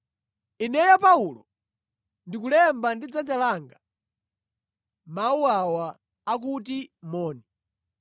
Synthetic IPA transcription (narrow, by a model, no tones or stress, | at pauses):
inɛjapaulɔ | ndikulɛmbandid͡zad͡ʒalaːŋɡa | mauwawaː | k̬ut̬imɔːni